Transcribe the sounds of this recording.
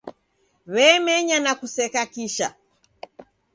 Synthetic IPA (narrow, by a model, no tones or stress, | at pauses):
βɛːmɛɲanakusɛkakiʃa̰